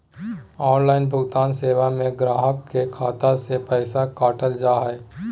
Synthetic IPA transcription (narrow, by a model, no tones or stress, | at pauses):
ɔːnlaːɪnbʱʊɡt̪aːnseːwamẽɡɾaːɦəkːekʰaːt̪asepɛːsakaːʈəld͡ʒaːɦɛː